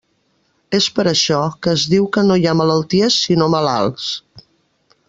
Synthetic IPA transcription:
espəɾəʃɔkəːzðiwkənojamələlˠt̪iəsːinoməla̰lˠs

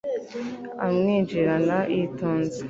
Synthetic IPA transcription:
a̰mŋiːnd͡ʒiɾanaʔitoːnze̥

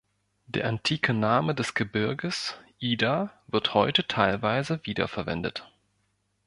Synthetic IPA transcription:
d̥ḛːɐʔantʰiːkʰənaːmədɛsɡ̥əbɪɐɡəsʔiːdavɪɐthɔʏtətʰaɪlvaɪzəviːdɐ̰fɛɐvɛ̰ndə̰t

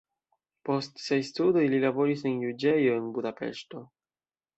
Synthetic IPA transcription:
po̞stsejstudoililabo̞ɾis̬e̞njud͡ʒe̞joenbudape̞̰ʃto̞

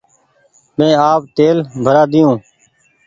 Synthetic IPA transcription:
mẽːaːp̚t̪eːlbʱəɾaːd̪ɪjõː

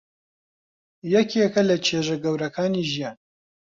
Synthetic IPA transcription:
jɛkʰjɛkɐlɐt͡ʃʰeːʒɐɡɐwɾɐkʰaːniʒijaːn

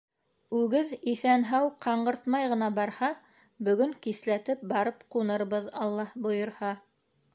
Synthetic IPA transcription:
ʉɡɘðiθænɦæwqʰɑɴɢɤ̆ɾt̪mɑjʁɤ̆n̪ɑbɑɾhɑ | bɵ̆ɡɵŋkislæt̪ɘp̚bɑɾɤpqunɤ̆ɾβɤðɑlˠːɑhbŏjɤ̆ɾhɑ

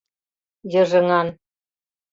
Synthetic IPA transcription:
jɤ̆ʒɤ̆ŋɑn

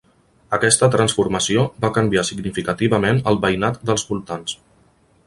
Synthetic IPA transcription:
əkɛst̪ət̪ɾənsfuɾməsiobakəmbiasiɡnifikət̪iβəmenəlˠβəjnat̪̚d̪əlˠzβulˠt̪ans

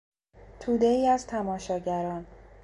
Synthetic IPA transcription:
t̪ʰuːd̪eiːæzt̪ʰæmɒːʃɒːɟæɾɒːn

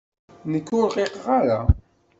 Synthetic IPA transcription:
nəkːʊɾʁeqʁaɾa

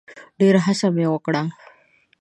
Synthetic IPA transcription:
ɖeɾaɦasamewəkɽa

